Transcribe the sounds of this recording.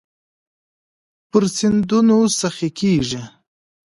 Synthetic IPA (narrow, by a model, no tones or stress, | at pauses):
pəɾsɪnd̪unosaxikʰeʐi